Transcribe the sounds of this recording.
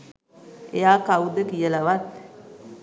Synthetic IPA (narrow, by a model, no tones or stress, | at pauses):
ḛjaːkawud̪əkijəlaʋat̪̚